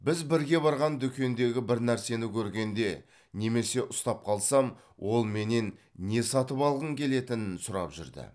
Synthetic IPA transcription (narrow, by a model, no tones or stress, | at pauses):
bɪzbɪɾɡʲe̞bɑɾʁɑnd̪ʏkʲe̞nd̪e̞ɡʲɪbɪɾnæɾse̞nɪkʲʰɵɾɡʲe̞nd̪e̞ | ne̞me̞se̞ʔʊst̪ɑp̚qʰɑlˠsɑm | wʔo̞lˠme̞ne̞nːe̞sɑt̪əpɑlˠʁəɴkʲʰe̞le̞t̪ɪnɪnsʊɾɑ̰pʒʏ̰ɾd̪ɪ̰